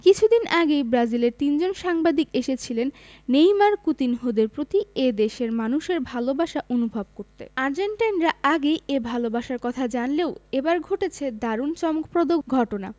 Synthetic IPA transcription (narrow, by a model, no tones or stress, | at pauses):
kit͡ɕʰud̪inʔaɡejbɾad͡ʑileɾt̪ind͡ʑonʃaŋbad̪ikeʃet͡ɕʰilenː | ejmaɾkut̪inɦod̪eɾpɾot̪ied̪eʃeɾmanuʃeɾbʱalobaʃaʔonubʱab̚koɾt̪ḛaɾd͡ʑeɳʈanɾaaɡejebʱalobaʃaɾkɔt̪ʰad͡ʑanleoebaɾɡʱoʈet͡ɕʰed̪aɾunt͡ɕɔmokpɾod̪okɡʱɔʈona̰